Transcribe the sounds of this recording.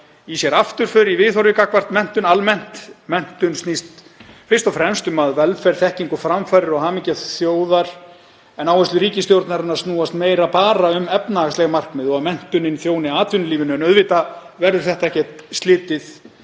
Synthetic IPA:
isjɛɾaft̪ʏɾ̥fʏɾivɪðθɔɾjʏkakvar̥t̪mɛn̥t̪ʏnalmɛn̥t̪mɛn̥t̪ʏnst̪nist̪ | fɪrst̪afɾɛmst̪ʏmaðvɛlfɛɾ̥θɛhciŋkʏfɾamfaːɾɪɾɔɣɦaːmɪcaθjoːwðaɾ̥ | ɛnawɛst̪ʏɾiːcɪst̪jowɾt̪naɾɪnːaɾ̥st̪nuːast̪meːjɾapaːɾaʏmɛpnaaslɛɣamar̥kmɪðɔɣaðmɛn̥t̪ʏnɪnθjoːwnɪaːt̪vʏnʏliːvɪnʏɛnœðvɪːt̪a | vɛɾðʏɾ̥θɛht̪aɛhcɛt̪st̪lɪːt̪ɪθ

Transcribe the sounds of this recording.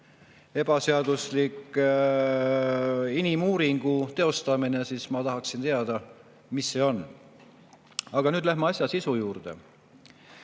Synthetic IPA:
e̞b̥ɑse̞ɑd̪uslikːˑ | inimuːɾiŋɡ̥ut̪e̞o̞st̪ɑmine̞siːsmɑt̪ɑɦɑksint̪e̞ɑd̪̥ɑ | misːe̞o̞n | ɑɡ̥ɑnyːd̪læhmɑɑsʲjɑsisujuːrd̪̥e̞̰

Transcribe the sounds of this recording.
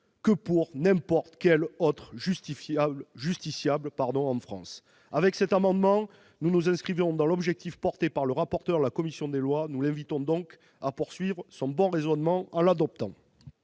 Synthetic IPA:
kəpuʁnɛ̃pɔʁt̪kɛlɔt̪χʒysiʒyst̪isjablpaʁd̪ɔ̃ɑ̃fχɑ̰̃s | avɛksɛt̪amɑ̃d̪mɑ̃ | nunuzɛ̃skχivɔ̃d̪ɑ̃lɔbʒɛk̚t̪ifpɔʁt̪epaʁləʁapɔʁt̪œʁlakɔmisjɔ̃d̪elwanulɛ̃vit̪ɔ̃d̪ɔ̃k | apuʁsɥivʁsɔ̃bɔ̃ʁezɔnmɑ̃ɑ̃lad̪ɔp̚t̪ɑ̃

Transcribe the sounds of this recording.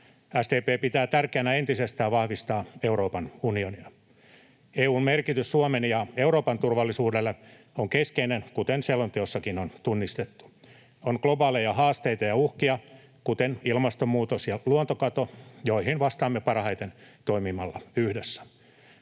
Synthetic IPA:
æst̪eːpeːpit̪æːt̪ærkeænæent̪isest̪æːʋʋɑhʋist̪ɑːe̞uɾoːpɑnunioniɑ | eːuːmmerkit̪ysːuomenjɑeuɾoːpɑnt̪urʋɑlːisuːdelːe | oŋkeskeinenkut̪enselːont̪eosːɑkinont̪unːist̪et̪ːu̥ | onklobɑːlejɑhɑːst̪eit̪ɑjɑuhkiɑ | kut̪enilmɑst̪ommuːt̪osjɑluont̪okɑt̪ojoihinʋɑst̪ɑːmːepɑrhɑjt̪ent̪oimimɑlːɑ̰yhdesːæ̥

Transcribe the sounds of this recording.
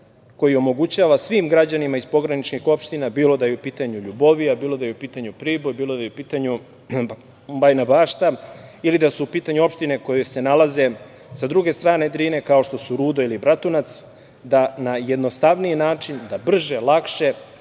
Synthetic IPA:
ko̞jio̞mo̞ɡut͡ɕaːʋasʋiːmɡɾad͡ʑanimaizpo̞ɡɾanit͡ʃnixo̞pʃt̪inabiːlo̞d̪ajeupiːt̪aɲuʎubo̞ʋiabiːlˠo̞d̪ajeupiːt̪aɲupɾiːbojbiːlˠo̞d̪ajeupiːt̪aɲu | bajnabaːʃt̪ailid̪asuupiːt̪aɲuo̞pʃt̪ine̞ko̞jese̞nalˠaze̞ | sad̪ɾuɡe̞st̪ɾaːne̞d̪ɾiːne̞kao̞ʃt̪o̞suɾuːd̪o̞ilibɾat̪unat̪s | d̪anajed̪nost̪aʋniinaːt͡ʂind̪abr̩ʒelˠakʃe̞

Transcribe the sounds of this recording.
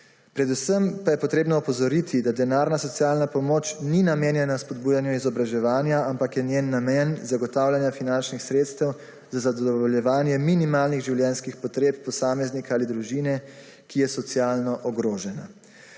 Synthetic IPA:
pɾɛd̪usəmpajɛpɔt̪ɾeːbnɔɔpɔzɔɾit̪ʰid̪ad̪ɛnaːɾnasɔt̪sijaːlnapɔmoːt͡ʃninameːnjɛnaspɔd̪buːjanjuizɔbɾaʒɛʋaːnjaampakjɛnjeːnːamɛnzaɡɔt̪aːwlʲjanjafinant͡ʃnixsɾeːt̪st̪ɛw | zazad̪ɔʋɔljɛʋaːnjɛminimaːlniɣʒiwljɛnskixpɔt̪ɾeːp̚pɔsaːmɛznikaaːlid̪ɾuʒiːnɛ | kijɛsɔt̪sijaːlnɔʔɔɡɾoːʒɛna

